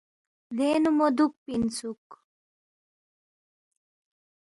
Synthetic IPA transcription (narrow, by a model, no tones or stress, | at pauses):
lenumod̪uk̚pinsuk